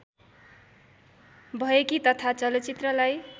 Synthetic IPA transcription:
bʱʌekit̪ʌt̪ʰat͡sʌlʌt͡sit̪rʌlaj

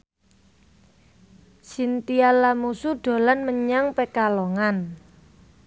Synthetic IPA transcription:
sint̪ialamusuɖ̥o̤lanməɲaŋpekalɔŋan

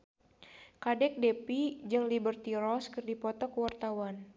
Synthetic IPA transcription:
kadɛk̚depid͡ʒɨŋlibərt̪iɾɔskɨrdipɔt̪ɔkəwart̪awan

